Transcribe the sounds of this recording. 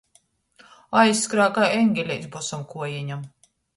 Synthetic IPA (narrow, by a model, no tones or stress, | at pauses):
ajsːkɾaːkajɛŋɡʲɛlʲɛjsbusamkuɔjɛɲam